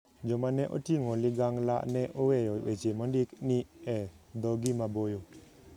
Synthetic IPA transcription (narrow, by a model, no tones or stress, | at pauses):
d͡ʒɔmanɛʔɔ̰tiŋɔliɡaŋla̰ʔnɛʔowɛjɔwɛd͡ʒemɔndikniɛd̪ɔɡimabɔjo